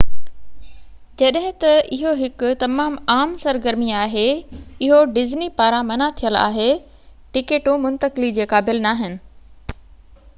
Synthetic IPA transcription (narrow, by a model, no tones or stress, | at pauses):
d͡ʑɐɗɦɪ̃t̪ɐɪɦoɦɪkʊt̪ɐmaːmaːmsɐɾɡəɾmiaːɦeɪɦoɖɪznipaːɾãmɐnat̪ʰijəla̰ːɦe | ʈɪkeːʈũmʊ̃nt̪əkɪlid͡ʑeːkaːbɪlnaːɦɪnɪ̆